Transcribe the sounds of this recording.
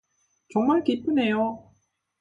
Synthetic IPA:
t͡ɕʌŋmaɭkip͈ʰɯne̞jo

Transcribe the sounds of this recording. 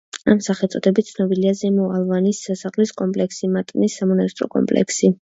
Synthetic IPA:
amsaχɛlt̪sʼɔd̪ɛbit̪t̪sʰnɔbiliazɛmɔalˠvanisasaχliskʼɔmpʼlɛksimat̪ʼnisːamɔnast̪ʼɾɔ̰kʼɔ̰mpʼlɛ̰ksi

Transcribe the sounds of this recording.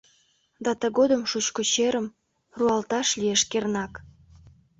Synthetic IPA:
d̪ɑt̪ə̆ɣod̪ə̆mʃut͡ɕkot͡ɕeɾə̆m | ruɑlt̪ɑʃlʲijeʃkernɑk

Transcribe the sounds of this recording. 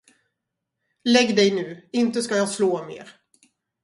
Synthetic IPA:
lɛɡd̪ɛjnʉ̟ːɪnt̪əskajɑːsloːmḛːɾ

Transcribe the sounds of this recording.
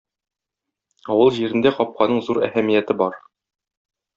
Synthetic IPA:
ɒwɤlˠʑiɾɘ̆nd̪æqɒp̚qɑnɤɴzuɾæ̰hæmijæt̪ɘbɒɾ

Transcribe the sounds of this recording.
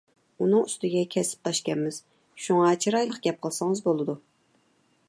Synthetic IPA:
unɨŋyst̪ɪɡʲɛkʲʰɛsɪ̥p̚t̪ʰɑʃkʲɛnmɪz̥ | ʃuŋɑt͡ʃʰiɾɑjlˠəqɡʲɛp̚qʰəlˠsɨŋəzbolˠɨd̪u

